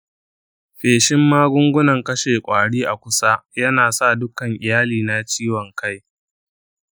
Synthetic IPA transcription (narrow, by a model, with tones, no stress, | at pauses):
ɸeː˨ʃɪ˦mːaː˦ɡʷʊ˦ŋɡʷʊ˦nɐ˨ŋkɐ˦ʃeː˨kʷʼaː˨ɽiː˦ʔa˨kʷʊ˦sa˦jɐ˦naː˨sa˦˨dʊ˦kɐ˨ŋʔɪ˨jaː˦liː˨na˦t͡ʃiː˦wɔ˨ŋka˦j